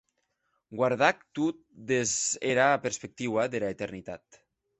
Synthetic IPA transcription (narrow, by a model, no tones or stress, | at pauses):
ɡwaɾð̞ak̚t̪ut̪̚d̪ezeɾaːpeɾspek̚t̪iwaðelaet̪eɾnit̪at̪